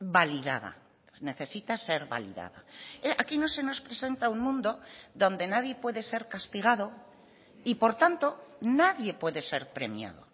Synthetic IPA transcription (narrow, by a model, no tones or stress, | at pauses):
baliðaða̰ | ne̞θe̞sit̪ase̞ɾβa̰lḭða̰ðaeakino̞se̞no̞spɾe̞se̞nt̪auŋmũnd̪o̞ðo̞nd̪e̞naðje̞pwe̞ðe̞se̞ɾkast̪iɣ̞aðo̞ | ipo̞ɾt̪ant̪o̞naðje̞pwe̞ðe̞se̞ɾpɾe̞mja̰ðo̞̰